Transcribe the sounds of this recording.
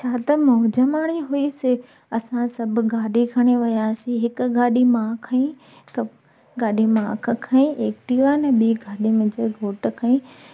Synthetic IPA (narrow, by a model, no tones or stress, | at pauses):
t͡ɕʰaːt̪ɐmʊɦd͡ʑəmaːɽ̃iɦuisɪ | ɐsãsɐbʱʊɡʱaːɗikʰɐɽ̃iʋɐjaːsĩɦɪkʊ̆ɡʱaːɗimãːkʰɐĩ | ɪk | ɡaːɗimãːkʰkʰɐĩʔeːkʈiːʋaːnɛɓiːɡʱaːɗimɪ̃d͡ʑəɡʱoːʈkʰɐĩ